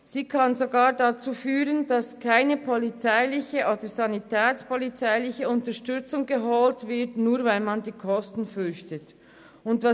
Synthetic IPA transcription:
z̥iːkʰɑnzoɡaːʁdat͡suːfyːʁəndɑskʰaɪnəpʰɔlit͡saɪlɪçəʔoːdəzɑnitʰɛːt͡spɔlit͡saɪlɪçəʊntəʃtʏt͡sʊŋɡəɦɔltv̥ɪtnuːʁvaɪlmɑndiːkʰɔstn̩fʏçtət | ʊntvɑ

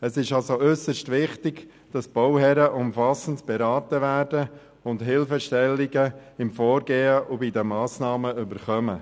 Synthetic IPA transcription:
əsɪʃɑlsoʔʏsəʃtʋɪχtɪɡ | d̥ɑsb̥ɔwhɛɾəʔʊmfɑsən̩tb̥ɛɾɑːtəʋæːɾdə | ʊndɦɪlfəʃtɛlːiɡəɪmfɔːɾɡeːəʔʊbɪdəmɑːsnɑːməʏbəɾχœmə

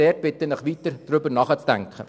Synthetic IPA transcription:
eːɾ̚b̥ɪt̪ənəχʋit̪əɾd̥ɾybənɑːχət͡sd̥æŋkχə̰

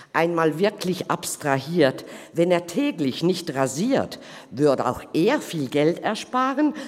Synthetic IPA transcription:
ʔaɪnmaːlvɪɐkʰlɪçʔa̰pstʁ̥aɦiːɐtvɛneːɐtʰɛːɡlɪçnɪçtʁaziːɐt | vʏɐdəa̰ʊxʔeːɐfiːlɡɛltɛɐʃpaːʁən

